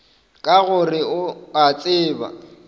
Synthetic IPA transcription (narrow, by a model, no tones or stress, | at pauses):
kʼaɣʊrɪʊat͡sʼɪːba̰